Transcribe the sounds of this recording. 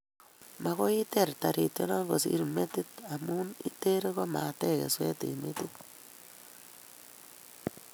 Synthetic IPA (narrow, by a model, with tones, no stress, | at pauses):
ma˨ɣo˦i˦t̪e˦˨ɾta˨ɾi˨t̪e˦na˦ɡo˨sḭ˦ɾme˦t̪i˦t̪a˨mu˦nḭ˦te˦ɾe˦ɣo˦ma˨te˦ɣḛ˨swe˦tḭ˨me˦t̪i˦t̪̚